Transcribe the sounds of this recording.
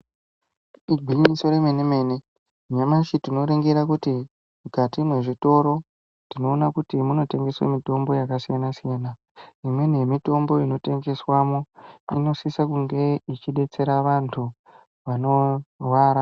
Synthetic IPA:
iɡʱwiɲiso̞ɾeme̞neme̞ːne̞ | ɲamaʃitino̞ɾeŋɡeɾakuti | mukatimwe̞ʐito̞ɾo̞ | tino̞ːnakutimuno̞te̞ŋɡe̞swḛmito̞mbo̞jakasijanasijana | imwe̞nijemito̞mbo̞ino̞te̞ŋɡe̞swamo̞ino̞sisakuŋɡe̞it͡ʃiɗe̞t͡se̞ɾaʋantʰu | ʋano̞rwaːɾa

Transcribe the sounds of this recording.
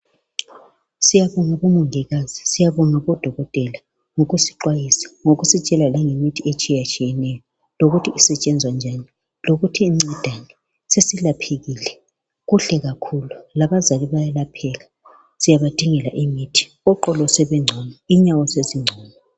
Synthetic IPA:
sijaβɔŋaβumuŋɛɣazisijaβɔŋaβɔd̥ʱɔɣɔtʼɛla | ŋoɣusi̥ǃwajisḁŋoɣusit͡ʃʼɛlalɛŋemitʰiet͡ʃʼijat͡ʃʼijɛnɛjɔ | loɣutʰiːsɛt͡ʃʼɛnd͡zʱwand͡ʒʱani | loɣutʰiːmɛd̥ʱani | sesilapʰeɣiːlɛ | ɣuɬɛɣakʰululaβazaliβajalapʰɛla | z̥ijaβad̥ʱiŋɛla̰ʔimiːtʰi̥ | ɔǃɔlɔsɛβɛŋ͡ǀʱɔmaiɲawɔseziŋ͡ǀʱɔːmɔ

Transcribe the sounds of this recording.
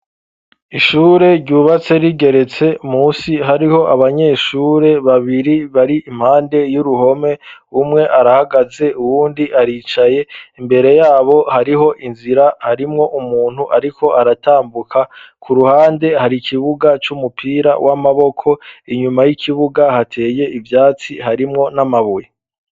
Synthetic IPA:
iʃuːɾe̞ɟɟuːβat͡se̞ɾiɡe̞ɾe̞t͡se̞umuːsiɦaɾiho̞ʔaβaɲe̞ːʃuɾe̞βaβiɾiβaɾiʔːm̥haːnde̞juɾuɦo̞me̞umŋe̞ʔaɾahaɡaze̞ʔuwuːndiʔaɾiːt͡ʃaje̞imbe̞ɾe̞jaːβo̞haɾiɦo̞ʔinziɾahaɾimŋo̞ʔumuːn̥huʔaɾikʰo̞ʔaɾataːmbukʰakʰuɾuhaːnde̞haɾikʰiβuɡat͡ʃumupʰiːɾa̰wʔamaβo̞kʰo̞iɲumajikʰiβuɡahatʰe̞ːje̞ivjaːt͡sihaɾimŋo̞namaβuje

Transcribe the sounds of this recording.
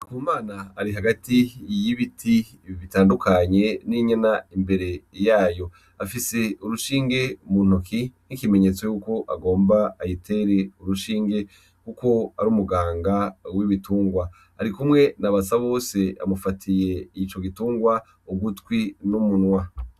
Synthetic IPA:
kuːmaːnaːɾiɦaɡatijiβitʰi | βitaːndukʰaɲe̞niɲenaimbe̞ɾe̞jaːjo̞ | afise̞uɾuʃiːŋɡe̞mun̥ukinikime̞ɲe̞t͡so̞juko̞ʔa̰ɡo̞ːmbaːjitʰe̞ɾe̞uɾuʃiːŋɡe̞ | kuko̞aɾuːmuɡaːŋɡawiβituːŋɡwa̰ː | ɾikumŋe̞naβasaβo̞ːse̞a̰mufatʰije̞it͡ʃo̞ɡituːŋɡwa | uɡutwinumunŋwa

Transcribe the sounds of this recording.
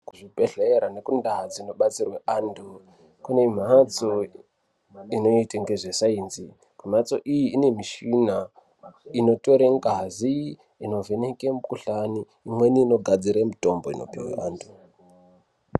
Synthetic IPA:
kuʐipeɬeɾane̞kundaɦd͡zino̞ɓat͡sirweandu | kune̞m̤at͡so | ino̞iteŋɡeʐesainzi | kum̤at͡so̞ʔijiːne̞miʃina | ino̞to̞ɾeŋɡazi | ino̞vʱe̞nekemukuɬaniːmwe̞niːno̞ɡʱad͡ziɾemito̞mbo̞ḭno̞̰piwḛʔaːndʰu

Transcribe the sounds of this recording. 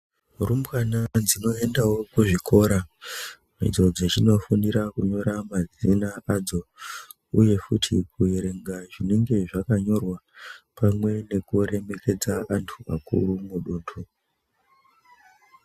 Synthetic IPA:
urumkanad͡zino̞e̞ndawo̞kuʐikʰo̞ɾa | ʐḭd͡zo̞d͡zet͡ʃino̞funiɾakuɲo̞ɾamad͡zinaad͡zo̞ | uje̞fṵtʰḭkueɾe̞ŋɡaʐine̞ŋɡe̞ʐakaɲo̞rwapʰamwe̞ne̞kuɾe̞me̞ke̞d͡zaantʰua̰kṵrumuɗuːntʰu

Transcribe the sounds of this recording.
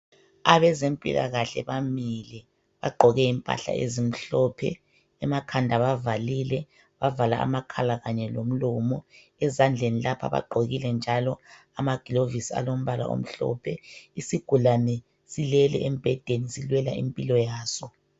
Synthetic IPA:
aβɛzempʼḭla̰ɣaɬɛ̰βamilɛ | βaɡ͡ǃʱɔɣɛimpʼa̰ɬa̰ʔḛzim̩ɬɔpʰɛ̰ː | makʰandʱaβavalilɛ | βavala̰a̰makʰalaɣaɲɛlom̩lɔːmɔ | ɛzand͡ɮʱenilapʰa̰βa̰ɡ͡ǃʱoɣilɛnd͡ʒʱalɔ | amaɡ̥ʱilovisia̰lom̩βala̰ʔo̰m̩ɬɔ̰pʰɛisiɡ̥ʱulanɛ | silɛlɛ̰em̩b̥ʱɛd̥ʱenisilwɛlaḭmpʼilɔjaːsɔ

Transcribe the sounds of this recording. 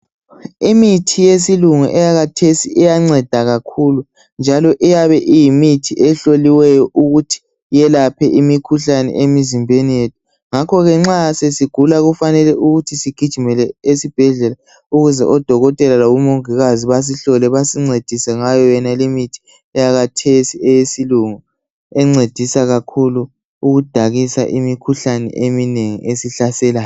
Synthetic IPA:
imitʰijesiluŋuʔɛjaɣatʰesiʔɛjaŋ͡ǀɛd̥ʱaɣakʰulu | nd͡ʒʱalɔʔɛjaβɛʔijimitʰiʔɛɬoliwɛjɔʔuɣutʰi̥ | jɛlapʰɛʔimikʰuɬanɛ̰ʔemizimbʱenijetʰu̥ | ŋakʰɔɣɛŋ͡ǁasesiɡ̥ʱulaɣufanɛlɛʔuɣutʰisiɡ̥ʱid̥ʒ̥ʱumɛlɛesib̥ʱɛɮɛla | uɣuzɛ̰ʔɔd̥ʱɔɣɔtʼɛlalawumoŋiɣaziβas̬iɬɔlɛβasiŋ͡ǀed̥ʱisɛŋajɔjɛnalemitʰi̥ | ɛjaɣatʰesiɛjesiluŋu | ɛŋ͡ǀed̥ʱisaɣakʰulu | uɣud̥ʱaɣisa̰ʔimikʰuɬanɛ̰ʔemineŋḭʔesiɬasɛlaːj

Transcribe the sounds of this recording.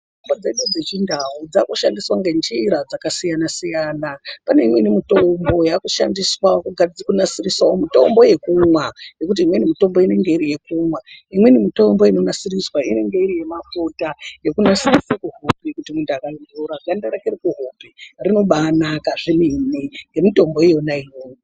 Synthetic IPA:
tumbod͡zeɗud͡ze̞t͡ʃindawud͡zakuʃandiswaŋɡend͡ʒiɾad͡zakasijanasijaːnapane̞imwenimito̞mbo̞jakuʃa̰ndiswakuɡʱad͡zkunasiriswaomito̞̰mbo̞je̞kumwaje̞kut̬iimwenimito̞mbo̞ine̞ŋɡe̞iɾije̞kumwaimwe̞nimito̞mbo̞ino̞nasiriswaine̞ŋɡe̞iɾije̞mafutaje̞kunasirisekuɦopekutimundakainduɾaɡʱandaɾakeɾikuɦoperino̞ɓanakaʐiminiŋɡe̞mito̞mbo̞jejo̞naijoːo

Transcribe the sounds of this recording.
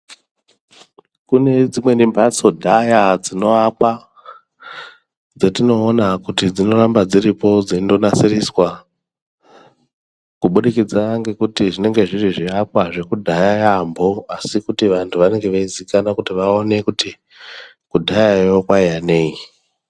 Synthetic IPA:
kune̞d͡zimwe̞nimbat͡so̞dʱajad͡zino̞akwa | d͡zetino̞ːnakutid͡zino̞ɾambad͡ziɾipo̞d͡zindo̞nasiriswa | kuɓuɗikid͡zaaŋɡe̞kutiʐine̞ŋɡe̞ʐiriʐiap̚waʐe̞kudʱajajambo̞asikutiʋantʰuʋane̞ŋɡe̞ʋaizikanakutiʋao̞ne̞kuti | kudʱajajokwaijane̞i

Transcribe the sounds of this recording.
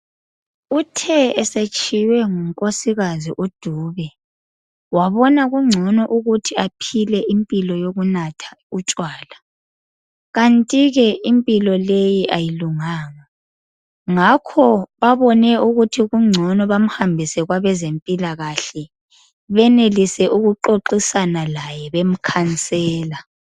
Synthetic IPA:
utʰɛɛset͡ʃʼiwɛŋuŋkʼosiɣaziʔud̥ʱuːβɛ | waβɔnaɣuŋ͡ǀʱɔnɔʔuɣutʰiapʰilɛʔimpʼilɔjoɣunatʰḁut͡ʃʼwaːla | ɣantʼiɣɛimpʼilɔlejiʔajiluŋaːŋa | ŋakʰɔβaβɔnɛuɣutʰiɣuŋ͡ǀʱɔnɔβam̩hambʱisɛɣwaβɛzempʼilaɣaɬɛ | βɛnelisɛʔuɣuǃoǃisanalajɛβem̩kʰant͡sʼɛːla

